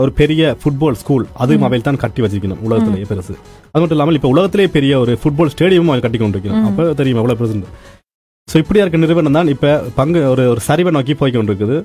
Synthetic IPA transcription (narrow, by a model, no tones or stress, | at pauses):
ɔɾɯpɛɾɪjɐfʊʈ̚boːlskuːlɐðɯmɐʋɐjɪlt̪aːnkɐʈːiʋɐt͡ʃːɪɾɯkːɐɳɯ̰mʊɭɐɣɐt̪ːɪlejeːpɛɾɐsɯ̰ɐðɯmɐʈ̬ːɪlːaːmɐlɪpːɐʊlɐɣɐt̪ːɪlɐjeːpɛɾɪjɐɔɾɯfʊʈ̚boːlsʈeːɽɪjɐmɯmɐʋɐɪlkɐʈːɪkːkɔɳɖɪɾɯkːɐɳɐmɐpːɐːt̪ɛɾɪjɯmɛʋːɐɭoːpɛɾɐsɯɳɖɯ | soːɪpːɐɽɪjaːɾɯkːɐnɪɾɯʋɐːɳɖɐmt̪aːnɪpːɐpɐŋɡɯɔɾɯɔɾɯsɐɾɪʋɐnoːk̬ipoːjkːɔɳɖɪɾɯk̬ːɐðɯ